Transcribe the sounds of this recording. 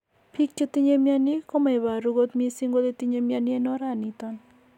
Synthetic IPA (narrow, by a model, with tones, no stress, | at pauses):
pi˦k̚t͡ʃe˦t̪i˦ɲe˦mja˦ni˦ko˦ma˨i˨βa˨ɾu˦ɡo˦t̪mie˦si˦ŋɡo˦le˦t̪i˦ɲe˦m˦a˦ni˦e˦nɔ˦ɾa˨nit̪ɔn